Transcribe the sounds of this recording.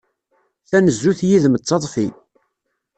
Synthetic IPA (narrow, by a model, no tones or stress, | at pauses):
θænəzːuθjiðmət͡sːɑt̪ˤfi